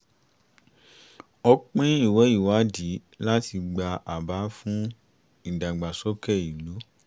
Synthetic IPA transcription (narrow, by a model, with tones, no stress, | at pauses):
ɔ˧k͡pẽ˦i˦˨wɛ˨˦i˦˨wa˨˦di˨˦ | la˦ti˧ɡ͡ba˧ʔa˨ba˨˦fũ˦ | i˨da˨ɡ͡ba˨sɔ˦kɛ˦˨i˨lo˨˦